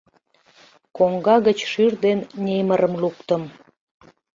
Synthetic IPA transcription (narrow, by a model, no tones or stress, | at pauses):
koŋɡɑɣət͡ɕʃyrd̪ennʲeməɾəmlukt̪ə̆m